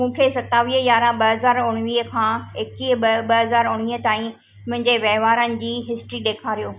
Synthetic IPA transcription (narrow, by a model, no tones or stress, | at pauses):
mũːkʰesɐt̪aːʋiːɦəjaːɾãɓɐɦɐzaːɾʊɽ̃ʋiːəkʰãːeːkiːɐɓɐɦɐzaːɾʊɽ̃ʋiːɦət̪aːĩ | mʊɦɪ̃ɲd͡ʑeʋɛːʋaːɾənɪ̆d͡ʑiːɦɪsʈɾiɗeːkʰaːɾijoː